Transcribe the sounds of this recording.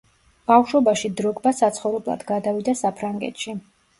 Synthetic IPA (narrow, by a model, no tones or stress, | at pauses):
b̥afʃwɔbaʃid̪ɾɔɡbasat̪sʰχɔvɾɛblˠa̰d̪ɡad̪avid̪asapʰɾaŋɡɛ̰t̪ʃi